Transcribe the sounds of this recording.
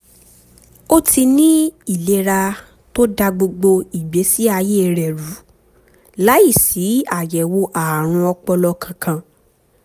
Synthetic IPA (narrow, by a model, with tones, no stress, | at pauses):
o˦tʰi˧nĩ˦i˦˨le˨˧ɾa˧ | to˦da˧ɡ͡bo˧ɡ͡bo˧i˨ɡ͡be˨˦si˦a˧je˦˨ɾɛ˨ɾu˨˦ | la˨˦i˦˨si˨˦a˦˨jɛ˨wo˧ʔa˨ɾ̃ũ˧ɔ˧k͡pɔ˧lɔ˧kʰã˧kã˧